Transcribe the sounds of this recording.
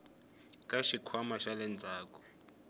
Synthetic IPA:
kʼaʃikʰwamaʃalɛnt͡sʼaːkʼɔ̥

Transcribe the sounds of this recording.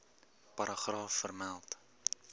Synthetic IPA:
pɐɾʔəχrɑːfːərmælˠt

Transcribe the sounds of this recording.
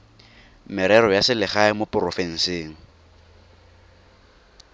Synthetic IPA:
mɪɾɛɾɔjasɪlɪχaɪmopʊrɔfɛŋ̩seːŋ̩

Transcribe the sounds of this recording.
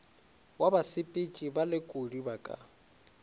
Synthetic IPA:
wabasɪpʼit͡ʃʼibalɪkʼodibakʼa̰

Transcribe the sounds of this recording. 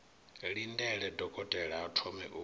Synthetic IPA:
ɺindɛɺɛdɔkʼɔtʼɛɺaatʰɔmɛ̰ʔu

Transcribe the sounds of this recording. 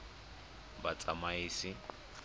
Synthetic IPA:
bat͡sʼamaiːsɪ

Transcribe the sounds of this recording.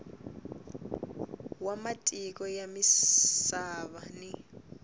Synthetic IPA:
wamatʼik̬ɔjamissaβani

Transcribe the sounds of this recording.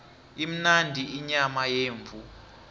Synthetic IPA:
im̩nandʱiiɲamajeːɱvʱu

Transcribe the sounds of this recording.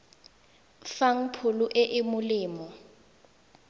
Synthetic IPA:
faŋ̩pʰʊluʔɛʔɪmʊliːmɔ

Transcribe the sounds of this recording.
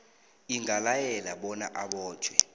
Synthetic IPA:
iŋalajɛlaɓɔna̰ʔaɓɔːd̥t͡ʃwɛ

